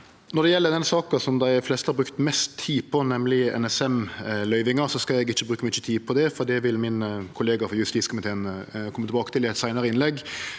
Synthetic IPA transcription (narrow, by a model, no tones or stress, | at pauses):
nɔɾd̪ɛjɛlːəd̪ɛnsɑːkəsɔmd̪æɪflɛst̪əhɑɾbɾʉkt̪mɛst̪ʰːiːpʰɔnɛmlɪɛ̰nɛsɛmlœʏʋɪŋəɾsɔskɑlɛɡɪçːəbɾʉːkəmyːt͡ʃːət̪ʰiːpʰɔd̪ɛfɔɾd̪ɛʋɪlmɪnkʰʊleːɡɑfɔɾjʉst̪iːskʊmɪt̪ʰeːnkʰɔmət̪ɪbɑːkə̥t̪ʰɪlɪæɪt̪sæɪnəɾəɪnlɛɡː